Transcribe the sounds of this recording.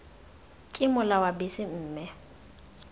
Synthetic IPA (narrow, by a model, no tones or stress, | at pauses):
kʼɪmʊlawabɪsɪm̩ːmɛ